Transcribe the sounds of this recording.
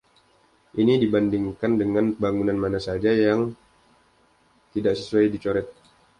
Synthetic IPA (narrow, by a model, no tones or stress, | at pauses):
ʔinidibandiŋkandəŋanbaŋunanmanasad͡ʒajaŋ | t̪idaʔsəsuajdit͡ʃoɾɛt̪̚